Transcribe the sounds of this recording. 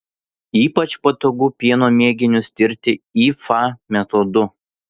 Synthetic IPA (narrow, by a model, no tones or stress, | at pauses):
iːpɐt͡ʃpɐt̪oːɡuːpʲiɛnoːmʲeːɡʲɪnʲʊsʲt̪ʲɪɾʲt̪ʲɪiːfɐmʲɛt̪od̪ʊ